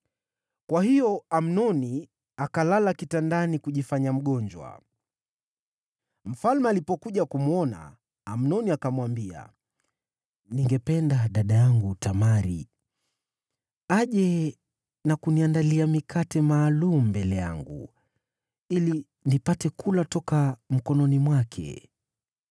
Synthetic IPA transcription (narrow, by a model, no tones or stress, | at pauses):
kwahijɔam̩nɔni | akalalakitandanikuʄifaɲam̩ɠɔɲd͡ʒwa̰ | m̩falmɛalipɔkuʄakumuɔna̰ː | m̩nɔniakamwambia̰ | niŋɡɛpɛndaɗaɗajaŋɡutamaɾḭ | aʄɛ | nakuniandaliamikʰatɛmaːlum̩mbɛlɛja̰ŋɡṵ | ili | nipatɛkulatɔkam̩kɔnɔnimwakʰɛ̰